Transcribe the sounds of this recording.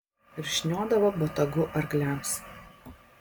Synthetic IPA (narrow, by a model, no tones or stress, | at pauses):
ɪɾʒ̥ʲnʲoːd̪ɐʋobɔt̪ɐɡʊʔɐɾɡlʲæˑms